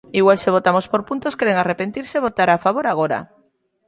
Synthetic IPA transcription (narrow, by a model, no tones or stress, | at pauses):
iɣwalseβ̞ot̪amospoɾpunt̪oskeɾeŋarepent̪iɾseβ̞ot̪aɾafaβoɾaɣ̞oɾa̰